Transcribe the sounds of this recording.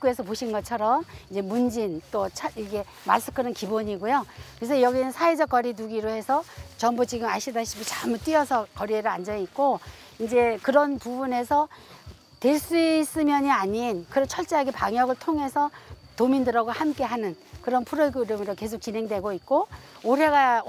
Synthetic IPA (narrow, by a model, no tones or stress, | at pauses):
k͈ue̞sʰʌpoɕʰinɡʌt͡ɕʰʌɾʌmind͡ʑe̞mund͡ʑint͈ot͡ɕʰaiɡe̞ | ma̰s͈ʰɯ̥kʰɯnɯnkiboɲiɡojokɯɾesʰʌjʌɡinɯnsʰaed͡ʑʌk͈ʌɾinuɡiɾohe̞sʰʌt͡ɕʌmbut͡ɕiɡɯmaɕʰidaɕʰibot͡ɕamut͈ɥiʌsʰʌkʌɾieɾɯɭand͡ʑʌɲit̚k͈o | ind͡ʑe̞kɯɾʌnpubune̞sʰʌ | twe̞ɭs͈uis͈ɯmjʌɲiaɲinkɯɾʌnt͡ɕʰʌɭt͡ɕ͈eaɡepaŋjʌɡɯɭtʰoŋe̞sʰʌtomindɯɾʌɡohamk͈e̞ɦanɯn | kɯɾʌnpʰuɾɯɡɯɾɯmɯɾoke̞s̬ʰok̚t͡ɕinɦe̞ŋdwe̞ɡoit̚k͈ooɾe̞ɡa